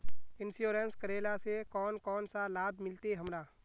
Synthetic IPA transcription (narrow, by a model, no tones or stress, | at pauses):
ɪnsjoːɾenskəɾeːlasekɔːnkɔːnsalaːb̚ʱmɪlt̪eɦəmɾaː